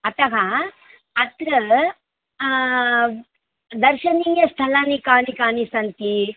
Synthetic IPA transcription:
ɐt̪ɐɦɐ | ɐt̪ɾɐ | d̪ɐɾʃɐniːjɐst̪ʰɐlanikaːnikaːnisɐnt̪i

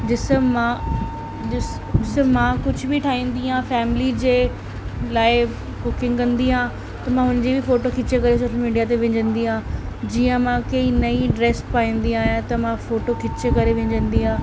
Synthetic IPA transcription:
d͡ʑɪsmã | ɪs | ɪsəmãkʊd͡ʑʱʊbɪʈʰaːɦĩːn̆d̪iɦãːfɛːmɪlid͡ʑeː | laːɪ | kʊkɪ̃ŋɡkɐ̃nd̪iɦãː | t̪ɐmãːɦʊnəd͡ʑibʱɪfoːʈokʰɪt͡ɕekɐɾesoːʃəlmiːɖijat̪eʋɐ̃ɲd͡ʑə̃nd̪iɦãːd͡ʑiːə̃mãkɐinɐiɖɾeːspaːĩːn̆d̪iaːɦijãt̪ɐmãfoːʈokʰɪt͡ɕekɐɾeʋẽɲd͡ʑə̃nd̪iɦãː

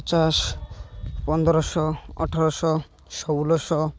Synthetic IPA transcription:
t͡ʃas | pɔnd̪ɾɔsɔɔ̰ʈʰaɾɔsɔ | sɔwlɔsɔ

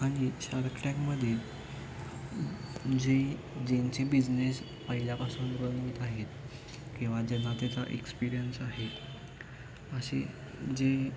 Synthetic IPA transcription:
aɽ̃iɕaɾkʈãkməd̪ʱet̪ | d͡ʑe | d͡ʑeɲt͡ɕebid͡ʑnes | pəɦiljapasuːnbənit̪aɦet̪ | kĩw̃ʋad͡ʑen̤ːat̪jat͡saʔekspiɾijənsaɦet̪ | əɕḛ | d͡ze

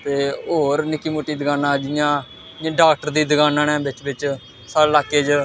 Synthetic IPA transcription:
t̪eːoːɾnɪkːiːmoːʈiːd̪əɡaːnãːd͡ʒɪjãː | ɖaːk̚ʈəɾd̪iːd̪əɡaːnaːnɛ̃ːbɪt͡ʃbɪt͡ʃ | salaːkːeːd͡ʒ

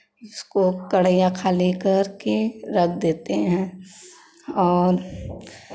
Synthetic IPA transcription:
ɪskokɐɽəjãkʰaːlikɐɾkeɾɐkʰd̪eːt̪eɦɛ̃ː | ɔːɾ

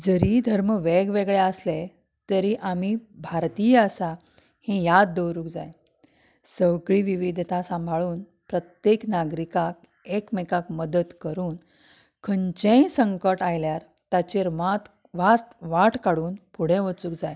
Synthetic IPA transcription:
d͡zəɾid̪ʱəɾməʋeɡʋeɡɭeəsle | t̪əɾiʔamibʱaɾt̪ijəəsa | hẽjad̪̚ːəwɾuːkd͡za̰j | səwɡɭiʋiʋid̪ʱt̪asãmbʱaɭuːn | pɾət̪jeknaɡɾikak | ekmekakməd̪ət̪kəɾuːn | kʰəɲt͡ɕẽsəŋkəʈajljaɾ | t̪at͡ɕeɾʋat̪ | ʋaʈʋaʈʰkaɽuːnpuɽ̤ẽʋət͡suːkd͡zaj

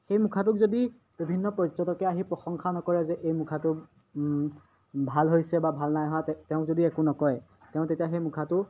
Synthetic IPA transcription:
xejmukʰat̬ʊk̚zodi | b̥ibʱinːɔpɔzɔtɔkɛaɦipɹɔxɔŋxanɔkɔɹɛzɛʔejmukʰatʊ | bʱalɦojsɛbabʱalnajɦɔattɛʊ̃k̚zodiɛkʊnɔkɔjɛ | tɛʊ̃tetijaxejmukʰatʊ

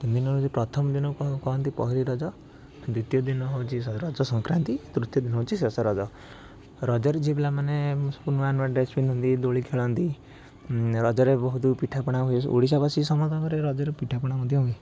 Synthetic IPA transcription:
t̪ind̪inɔd͡ʒipɾɔt̪ʰɔmɔd̪inɔkkɔɦɔnt̪ipɔ̰ɦiɾiɾɔd͡ʒɔ | d̪ut̪ijɔd̪inɔɦot͡ʃʰisɾɔd͡ʒɔsɔŋkɾant̪it̪ɾut̪jɔd̪inɔɦowt͡ʃʰisesɔɾɔd͡ʒɔ | ɾɔd͡ʒɔɾed͡ʒibelamanepunʋanbaɖesbinunt̪id̪oɭikʰeɭɔnt̪i | ɾɔd͡ʒɔɾebɔɦut̪upiʈʰapɔɽ̃aɦusʔo̰ɽis̬abasisɔmɔt̪ɔkɔɾeɾɔd͡ʒɔɾepiʈʰapɔɽ̃akud̪iɦui

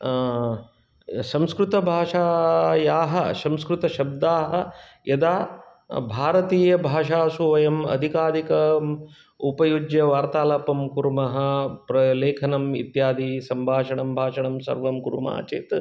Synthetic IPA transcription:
sɐ̃mskɾut̪ɐbʱaːʂaːjaːɦɐsɐ̃mskɾut̪ɐʃɐb̚d̪aːɦɐ̆jɐd̪aː | bʱaːɾɐt̪iːjɐbʱaːʂaːsuʋɐjɐmɐ̰d̪ʱikaːd̪ʱikɐ | upɐjud͡ʒjɐʋaːɾt̪aːlɐpɐmkuɾmɐɦɐ̆pɾɐleːkʰɐnɐmḭt̪jaːd̪isɐmbʱaːʂɐɳɐmbʱaːʂɐɳɐmsɐ̰ɾʋɐmkuɾuma̰ːt͡ʃḛːt̪

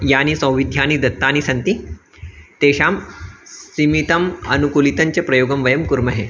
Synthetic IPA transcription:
jañisɐ̃w̃ʋid̪ʱjanid̪ɐt̪ːañisɐnt̪i | t̪eɕamssimit̪ɐmɐnukulit̪ɐɲt͡ɕepɾɐjoːɡəmʋɐjɐmkuɾmɐɦe

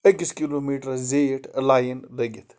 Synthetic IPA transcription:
ekiskiloːmiːʈɾzeːʈʰlaːjənlɐɡit̪ʰ

